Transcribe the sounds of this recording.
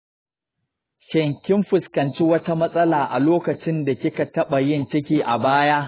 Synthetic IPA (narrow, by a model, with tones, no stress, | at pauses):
ʃɛ˨ŋkʲɪ˦mɸʊ˨skɐ˨nt͡ʃi˦wɐ˦ta˦mɐ˦sʼɐ˦laː˨ʔa˨loː˦kɐ˨t͡ʃɪ˦nda˨kʲɪ˦ka˨tɐ˦ɓa˨jɪ˦nt͡ʃɪ˦kʲiː˦ʔa˨baː˦jaː˦ʔ